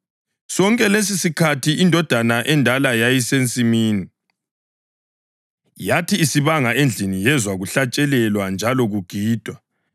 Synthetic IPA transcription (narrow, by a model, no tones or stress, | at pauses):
sɔŋkʼɛles̬isikʰatʰiindʱɔd̥ʱanaʔɛndʱalajajisent͡sʼimiːni | jatʰiːsiβaŋaʔend͡ɮʱinijɛzwaɣuɬat͡ʃʼɛlɛlwand͡ʒʱalɔɣuɡ̥ʱiːd̥ʱwa